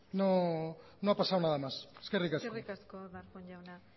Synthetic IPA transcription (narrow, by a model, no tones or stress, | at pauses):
nonoapasawnað̞amaseskerikasorkskʎana